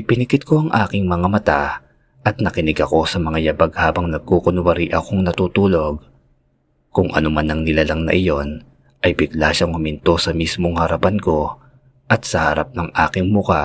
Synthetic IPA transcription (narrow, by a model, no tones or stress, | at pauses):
pɪnɪkɪt̪̚ko̞ʔɐŋʔaːkɪŋmɐŋamɐt̪a | ʔɐt̪̚nɐkɪnɪɡɐko̞sɐmɐŋajɐbɐɡhaːbɐŋnɐɡ̚kokonʊwɐɾiʔɐkoŋnɐt̪uːt̪uːlo̞ɡ̚ | kʊŋʔɐ̰nomanːɐŋnɪlalɐŋnɐ̰ʔɪjo̞n | ʔɐjbɪɡlaʃɐŋʊmɪnt̪o̞sɐmismo̞ŋhɐɾɐpɐnko̞ | ʔɐt̪̚sɐhɐɾa̰p̚nɐŋʔaːkɪŋmʊka